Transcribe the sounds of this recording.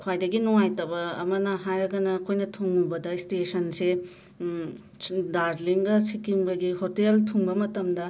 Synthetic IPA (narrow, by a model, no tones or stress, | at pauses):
kʰwajdɐɡinuŋajtɐbɐ̰ːmɐnɐɦajɾɐɡɐnɐkʰojnɐtʰuŋːubɐdɐistesɐnse | daɾliŋɡɐsikimbɐɡihoteltʰuŋbɐmɐtɐmdɐ